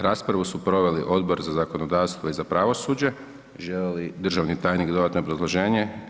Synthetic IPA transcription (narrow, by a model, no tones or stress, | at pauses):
ɾaːspɾaʋusupɾo̞ʋe̞liʔo̞d̪bo̞ɾzazakonod̪aːʋst̪ʋo̞izapɾaʋo̞suːd͡ʑe̞ | ʒelelid̪r̩ʒaʋnit̪aːjnikd̪oat̪noobɾazlˠo̞ʒe̞ːɲe